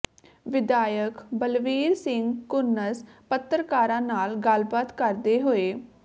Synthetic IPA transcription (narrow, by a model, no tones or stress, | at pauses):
ʋɪd̪aːjəkbəlʋiːɾsɪŋɡkʊɾnəspət̪ːɾəkaːɾãːnaːlɡəlbaːt̪kəɾd̪eːɦoːeː